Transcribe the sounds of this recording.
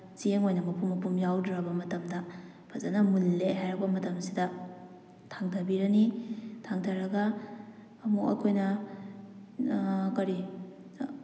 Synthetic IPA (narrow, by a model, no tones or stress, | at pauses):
sieŋojnɐmɐpʰumːɐpumjawdɾɐbɐmɐtɐmdɐ | pʰɐzanɐmulːeɦajɾɐk̚bɐmɐtɐmsidɐ | tʰaŋtʰɐbiɾɐnitʰaŋtʰɐɾɐɡɐː | mukɐ̰kʰojnɐ | kɐɾi